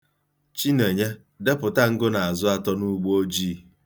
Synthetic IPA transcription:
t͡ʃi˦ne˨ɲe˦ | de˦pʊ˨ta˦ŋ̩˦ɡʊ˦na˨a˨zʊ˦a˦tɔ˦nu˦ɡ͡bo˦d͡ʒiː˦˨

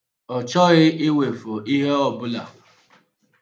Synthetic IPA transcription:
ɔ˨t͡ʃɔ˦ɣɪ˦ɪ˦we˨fo˨i˦ɦe˦ɔ˨bʊ˦la˨

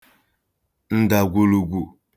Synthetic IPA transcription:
n̩˦da˨ɡʷu˨lu˨ɡʷu˨

